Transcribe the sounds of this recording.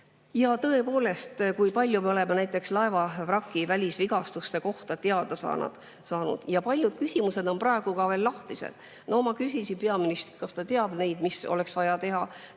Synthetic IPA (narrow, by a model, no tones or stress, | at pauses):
jɑt̪ɤ̞e̞po̞ːle̞st̪kujpɑlʲjumeo̞le̞menæjt̪ːˑe̞kslɑe̞vɑvrɑkːˑivælʲisviɡ̥ɑst̪ust̪e̞ko̞ht̪ɑt̪eɑd̪̥ɑsɑ̰ːnɑ̰d̪̥ | sɑːnṵd̪̥jɑpɑlʲjud̪̥̚kysimuse̞d̪o̞nprɑe̞ɡ̥ukɑve̞ːlːɑht̪isḛd̪̥ | nʔomɑkysʲisipeɑminist̪kɑst̪ɑt̪eɑb̥ne̞jd̪̥miso̞̰le̞ksvɑjɑt̪e̞ɦɑ